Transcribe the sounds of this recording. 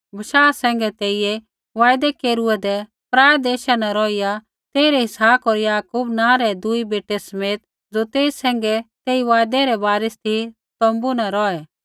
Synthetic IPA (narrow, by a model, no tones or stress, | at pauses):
bɐʃaːsɛ̃ːŋ̆ɡɛt̪eːije | ʋaːjd̪ɛkeːɾuɛd̪ɛ | pɾaːɛd̪eːʃanɛ̃ɾɔːija | t̪eːiɾɛɦɪsaːpoːɾjaːkuːbnãːɾɛd̪uibeːʈɛsɐmeːt̪ | d͡zot̪eːsɛ̃ːŋ̆ɡɛt̪eːiʋaːjd̪ɛ̃ɾɛbaːɾɪst̪ʰi | t̪ɔ̃ːmbunɛɾɔːɛ